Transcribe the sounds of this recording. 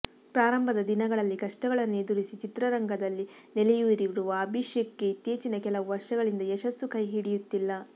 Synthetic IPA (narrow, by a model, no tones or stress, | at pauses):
pɾaːɾɐmbʱɐd̪ɐd̪inɐɡɐɭɐlːikɐʂʈɐɡɐɭɐnːed̪uɾisit͡ʃit̪ɾɐɾɐŋɡʱɐd̪ɐlːinelɛjuiɾiʋiɾuʋɐːbʱiʂjɐkːe̞it̪jeːt͡ʃinɐkɛlɐʋuʋɐɾʂɐɡɐɭind̪ɐeʃɐsːukɐjɦiːɽijut̪ːilːɐ